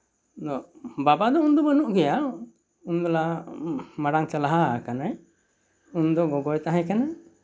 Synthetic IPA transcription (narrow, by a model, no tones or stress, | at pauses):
d̪ɔbabad̪ɔund̪ɔbənuʔɡɛja | und̪ɔla | maɽaŋt͡ʃalaɦakanaj | und̪ɔɡɔɡɔjt̪aɦãkana